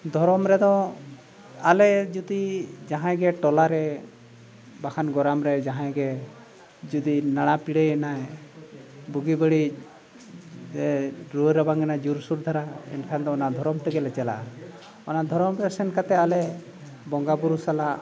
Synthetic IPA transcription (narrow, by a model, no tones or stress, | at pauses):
d̪ʱɔɾɔmɾɛd̪ɔ̃ | alɛd͡ʒud̪id͡ʒaɦãɡɛʈɔlaɾɛ | bakʰanɡɔɾamɾɛd͡ʒaɦãɡɛ | d͡ʒud̪inaɽ̃apiɽeɛnaɛ | buɡibəɽi | d͡ʒɛɾoɾɔbaŋɡɛnad͡ʒuɾsuɾd̪ʱaɾaɛ̰nkʰand̪ɔ̃ɔnad̪ʱɔɾɔmt̪ɛɡɛlɛt͡ʃala̰ | ɔnad̪ʱɔɾɔmɾɛsɛnkat̪ɛalɛ | bɔŋɡabuɾusala